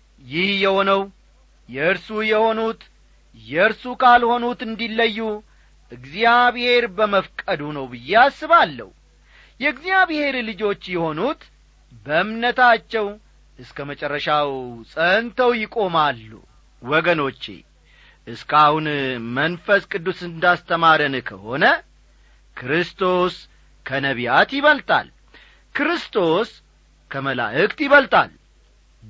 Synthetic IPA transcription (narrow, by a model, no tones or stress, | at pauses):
jɪhjɛho̞nəw | jɛɨɾsujɛho̞nut̪ | jɛɨɾsukʰalho̞nut̪ɨnd̪ilːəjːu | ʔɨɡzijaβhe̞ɾbəməfkʼəd̪unəwbɨjːeasːɨβalːə̰hu | jɛɨɡzijaβhe̞ɾlɨd͡ʒo̞t͡ʃːjɛho̞nut̪ | bəɨmnət̪ʰat͡ʃːɛw | ʔɨskʰəmət͡ʃʼɛrːəʃawsʼənt̪ʰəwjɪkʼo̞malːṵ | wɔɡəno̞t͡ʃːḛ | ʔɨskʰahunmənfəskʼɨd̪ːusɨnd̪ast̪ʰəmaɾɨnkʰəho̞nə | kʰɾɨst̪ʰo̞s | kʰənəβijat̪jɪβəlt̪ʼa̰l | kɾɨst̪ʰo̞s | kʰəməla̰ʔɨkʼt̪jɪβəlt̪ʼa̰l